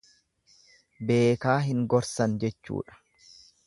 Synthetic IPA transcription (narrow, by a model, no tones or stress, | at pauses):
be̞ːkaːɦɪŋɡɔɾsɐnd͡ʒɛt͡ʃːṵːᶑɐ̥